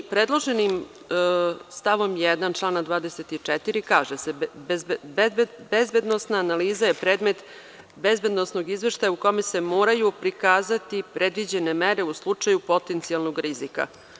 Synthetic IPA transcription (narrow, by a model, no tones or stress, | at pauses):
pɾed̪lˠo̞ʒenim | st̪aʋo̞mjɛd̪ant͡ʂlˠaːnad̪ʋaːd̪eset̪it͡ʂɛt̪iɾikaːʒesebbbbezbe̞d̪nosnaːnaliːzajepɾeːd̪me̞t̪ | bezbe̞d̪no̞sno̞ɡizʋe̞ʃt̪ajauko̞mese̞mo̞ːɾajupɾikaːzat̪ipɾed̪ʋid͡ʑe̞ne̞meɾe̞uslˠut͡ʂajupo̞t̪ent̪sialˠnoɡɾizika̰